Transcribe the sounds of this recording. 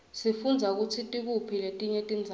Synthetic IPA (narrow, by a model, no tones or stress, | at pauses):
sifund͡zʱak̬ut͡sʰitʼik̬upʰiletʼiɲɛtʼind͡zʱa